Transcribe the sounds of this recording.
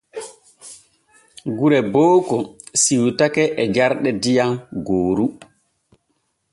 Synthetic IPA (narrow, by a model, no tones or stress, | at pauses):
ɡuɾɛboːkɔsiwtakɛʔɛd͡ʒaɾɗɛdijamɡoːɾu